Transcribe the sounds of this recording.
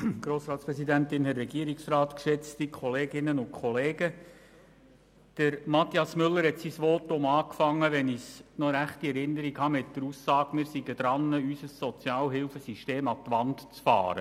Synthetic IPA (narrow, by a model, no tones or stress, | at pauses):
ɡ̥ɾoːsɾɑːt̪spɾɛsidæntɪnhɛrːɛɡiəɾiksrɑːt̪kʃɛt͡stikʰɔleːɡɪnənʊntkʰχɔleːɡə | d̥əɾmɑt̪iɑsmʏlːəɾhɛtsisʋɔtʊmɑːkfɑŋːəʋɛnisnɔɾæχtiɛɾɪnːəɾikhɑmɪt̚d̥əɾusːɑːɡmɪːɾsiɡəd̥ɾɑnːəysəsːɔt͡sjɑːlɦɪlfəsiʃteːmɑt̪ʋɑntt͡sfɑ̰ːɾə